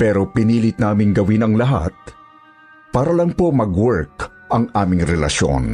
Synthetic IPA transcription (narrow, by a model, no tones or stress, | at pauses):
pɛːɾo̞pɪniːlɪt̪̚naːmɪŋɡɐwɪnɐŋlɐɦa̰t̪̚ | paːɾɐlɐŋpo̞mɐɡwɛɹk̚ | ʔɐŋʔaːmɪŋɾɛlɐ̰ʃo̰n